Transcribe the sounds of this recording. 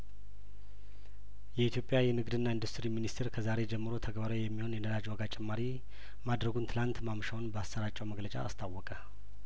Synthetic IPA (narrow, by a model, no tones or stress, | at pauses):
jɛit̪jo̞pʼːjajɛnɨɡd̪ɨnːaind̪ust̪ɨɾiminist̪ʰeɾkʰəzaɾe̞d͡ʒɛmːɨɾo̞t̪ʰəɡbaɾawjɛmːiho̞njɛnəlad͡ʒwaɡat͡ʃʼɛmːaɾi | mad̪ɾəɡunt̪ʰɨlant̪mamʃawnbəasːəɾat͡ʃʼːəwməɡlət͡ʃʼa̰ːst̪ʰawːɔkʼə